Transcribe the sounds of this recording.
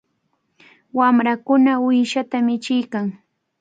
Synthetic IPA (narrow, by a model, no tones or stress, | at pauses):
wamɾakʊnaʊjʃat̪amɪt͡ʃɪjkaŋ